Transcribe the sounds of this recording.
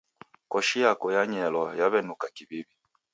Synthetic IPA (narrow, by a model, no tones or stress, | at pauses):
kɔʃijakɔjaɲɛlɔjaβɛnukakiβiβi